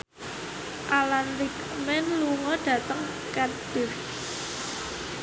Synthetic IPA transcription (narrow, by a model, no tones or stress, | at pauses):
ʔalanrik | mɛnluŋɔɖ̥ä̤t̪əŋ | kat̪̚b̥ɪf